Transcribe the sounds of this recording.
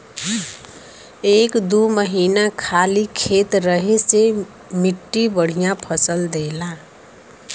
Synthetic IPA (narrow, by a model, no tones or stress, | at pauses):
eːkd̪uməɦiːnakʰaːlikʰeːt̪ɾəɦese | mɪʈːibəɽ̤ijãpʰəsəld̪eːla